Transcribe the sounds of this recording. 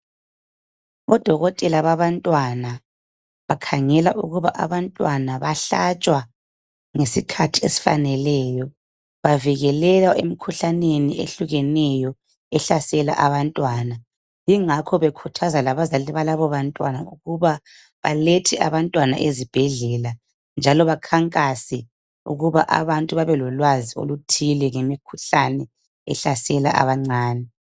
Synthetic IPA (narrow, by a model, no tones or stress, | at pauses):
βɔd̥ʱɔɣɔtʼɛlaβaβantʼwana | βakʰaŋɛlaʔuɣuβaʔa̰βantʼwanaβaɬat͡ʃʼwa | ŋesikʰatʰiesi̥fa̰nɛlɛːjɔ | βaviɣɛlɛlaʔemikʰuɬaneniḛɬuɣɛnɛjɔ | ɛɬasɛla̰ʔaβantʼwana | jiŋakʰɔβekʰutʰazalaβazaliβalaβɔβantʼwanauɣuβa | βaletʰɛʔaβantʼwana̰ʔezib̥ʱɛɮɛla | nd͡ʒʱalɔβakʰaŋkʼasɛ | ṵɣuβaʔa̰βantʼuβaβɛlɔlwazio̰lutʰilɛŋemikʰuɬanɛ | ɛɬasɛla̰ʔa̰βaŋ͡ǀaːnɛ